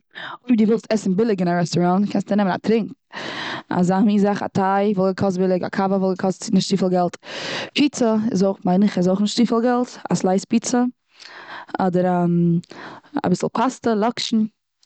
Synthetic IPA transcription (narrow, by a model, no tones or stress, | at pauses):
ʊiduːvɛlˠstɛsn̩bɪlˠɪɡɪnaɾɛstɔɾɔntkʰɛnstənɛməna̰tɾɪŋk | a̰zamiːzaχa̰tʰaɪvɔlˠɡəkʰɔs̬t̚bɪlˠɪɡa̰kʰavəvɔlˠɡəkʰɔstɪnɪʃtʃtiːfl̩ˠɡɛlˠtpʰit͡səɪ̰zoʊχmaɪnɪχɪzoʊχnɪʃtʃtiːfəlˠɡɛlˠta̰slˠaɪspiːt͡sə | ɔdəɾam | a̰bɪsl̩ˠpʰastəlˠɔkʃn̩